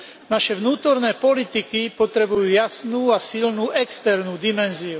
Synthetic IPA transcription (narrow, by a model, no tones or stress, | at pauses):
naʃɛʋnuːt̪ɔɾnɛːpɔlit̪ikipɔt̪ɾɛbujuːjasnuːasilnuːʔɛkst̪ɛɾnuːd̪imɛnziu